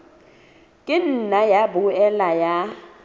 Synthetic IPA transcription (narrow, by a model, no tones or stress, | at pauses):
kʼɪn̩najabuɛlaja